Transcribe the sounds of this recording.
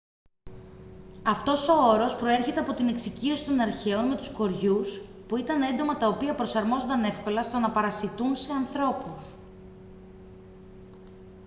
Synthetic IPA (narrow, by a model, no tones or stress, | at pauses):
ɐft̪o̞so̞o̞ɾo̞spɾo̞e̞ɾçe̞t̪eɐpo̞t̪ine̞ksicio̞si̥t̪o̞nɐɾçe̞onme̞t̪u̥sko̞ɾʝus | puit̪ɐne̞nd̪o̞mɐt̪ɐopiɐpɾo̞sɐɾmo̞zond̪ɐne̞fko̞lɐst̪o̞nɐpɐɾɐsit̪unse̞ɐnθɾo̞pus